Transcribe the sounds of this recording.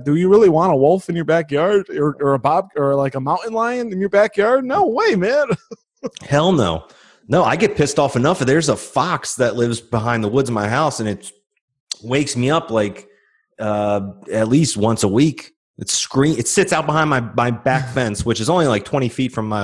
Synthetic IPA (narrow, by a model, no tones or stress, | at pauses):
dɨjɨɹɪlˠiwɑ̃ɾ̃əwɔlˠfɨ̃njə˞bækjɑɹdə˞ə˞əbɑb̚ə˞laɪkəmãʊ̃nʔn̩lãɪɨ̃nɨ̃njə˞bækjɑɹd̚ⁿnoʊweɪmæ̃n | hɛlˠno̰ʊ | noʊaɪɡɛt̚pʰɪstɔfɨnʌfðə˞zəfɑksðɨtˡlɪvzbəɦãɪ̃nðəwʊdzə̃nmaɪɦaʊsɨ̃nɨt̚ | weɪksmiʌplaɪk | ʌɨtˡlist̚wʌ̃nsəwik | ʔɨtskɹĩɨtsɪtsaʊt̚b̥əɦãɪ̃nmaɪmaɪbækfɛ̃nswɨt͡ʃɨzõʊ̃nlilaɪk̚tʰw̥ɛ̃ɾ̃ifitfɹʌ̃maɪ